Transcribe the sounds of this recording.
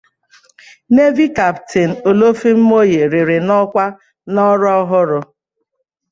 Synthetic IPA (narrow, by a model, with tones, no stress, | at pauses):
ne˦vi˦ka˨ptɪ˨n̩˨o˨lo˦fi˦m̩˦mo˦je˨ɾɪ˨ɾɪ˨nɔ˦kʷa˦ | nɔ˦ɾɔ˦ɦʊ˦ɾʊ˨